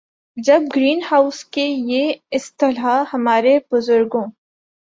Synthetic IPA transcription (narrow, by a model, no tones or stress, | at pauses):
d͡ʒɐb̚ɡɾiːnhaːʊskejeɪst̪ɪlɦahɐmaːɾeb̥ʊzʊɾɡõː